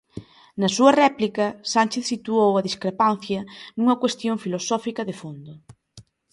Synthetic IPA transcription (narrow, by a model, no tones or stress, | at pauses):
nɐsuɐrɛplikɐsanʲt͡ʃeθsit̪uowɐðiskɾepan̟θjɐnuŋɐkwest̪joŋfilosɔfikɐðefond̪ʊ